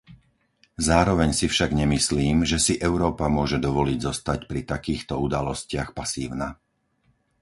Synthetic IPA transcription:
zaːɾɔʋɛɲsifʃaɡɲɛmisliːmʒɛsiʔɛʊɾɔːpamʊɔʒɛd̪ɔʋɔliɟzɔst̪acpɾit̪akiːxt̪ɔud̪alɔscɪaxpasiːʊna

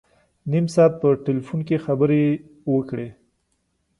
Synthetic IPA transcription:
nimsɑːt̪̚pəʈelfunkexabəɾe | wəkɽe

